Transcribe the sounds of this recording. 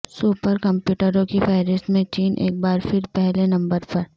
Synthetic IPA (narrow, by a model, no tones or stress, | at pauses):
suːpəɾkɐ̃mpjuːʈəɾõkifɛːɾɪst̪mẽt͡ʃiːnʔḛːk̚baːɾfɪɾpɛɦlenɐ̃mbəɾpɐɾ